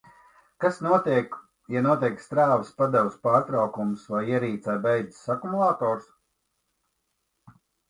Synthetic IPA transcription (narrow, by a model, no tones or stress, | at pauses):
kasnuɔt̪iɛk | januɔt̪iɛkst̪ɾaːvəspad̪ɛwspaːɾt̪ɾawkumsvajiɛɾiːt̪sɛjbɛjd̪zi̥sakumulˠaːt̪ɔːɾs